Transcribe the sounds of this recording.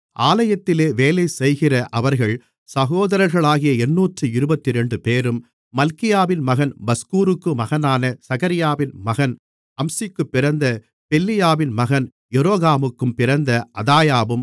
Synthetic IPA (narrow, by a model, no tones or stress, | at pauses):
ʔaːlɐjɐt̪ːɪleːʋeːlɐɪsɛjɣɪrɐʔɐʋɐɾɣɐɭ | sɐɣoːðɐɾɐɾɣɐɭaːɣɪjɐɛnːuːʈrɯɪɾɯbɐt̪ːɪɾɛɳɖɯpeːɾɯmː | ɐlkɪjaːʋɪnmɐɣɐnbɐskuːɾɯkːɯmɐɣɐnaːnɐsɐɣɐɾɪjaːʋɪnmɐɣɐn | ɐmsɪkːɯpːɪɾɐnd̪ɐ | pɛlːɪjaːʋɪnmɐɣɐn | jɛɾoːɣaːmɯkːɯmpɪɾɐnd̪ɐʔɐðaːjaːʋɯm